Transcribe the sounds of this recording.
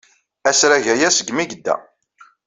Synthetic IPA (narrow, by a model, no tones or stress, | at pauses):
æsɾæʝæjæsəɡmiɡəd̪ːæ̰